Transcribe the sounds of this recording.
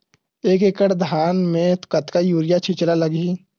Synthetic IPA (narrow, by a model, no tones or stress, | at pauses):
eːkekəʈd̪ʱaːnmẽt̪kət̪kajuːɾɪjat͡ʃʰit͡ʃəlaləɡi